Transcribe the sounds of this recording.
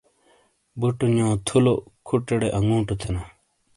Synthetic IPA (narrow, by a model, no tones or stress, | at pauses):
buʈuɲõːt̪ʰulokʰuʈːeɽeʔɐŋɡũːʈut̪ʰena